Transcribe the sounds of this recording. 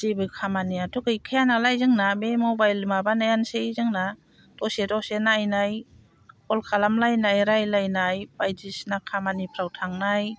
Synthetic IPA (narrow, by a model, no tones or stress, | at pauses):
zibɯkʰamaniatuɡɯjkʰajanalajzɯŋnabemobajlmabanajansezɯŋna | tɔsetɔsenajnaj | kɔlkʰalamlajnajɾajlajnajpajdisnakʰamanipʰɾawtʰaŋnaj